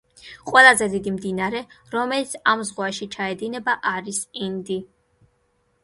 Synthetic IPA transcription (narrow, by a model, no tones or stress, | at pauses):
qʼwɛlˠazɛd̪id̪imd̪inaɾɛɾɔmɛlit̪sʰamzʁwaʃit͡ʃʰaɛd̪inɛbaʔaɾisind̪i